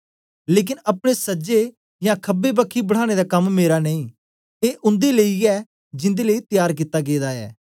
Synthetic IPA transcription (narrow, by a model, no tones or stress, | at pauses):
leːk̬ɪnəpɽ̃esəd͡ʒe | jãːkʰəbːeːbəkʰːiːbəɽ̤aːɽ̃ed̪aːkəmːeːɾaːneĩː | eːʔʊ̃nd̪eːləiɛː | d͡ʒɪ̃nd̪eːləiːt̪ɪjaːɾk̬it̪ːaːɡeːd̪aːɛ̰ː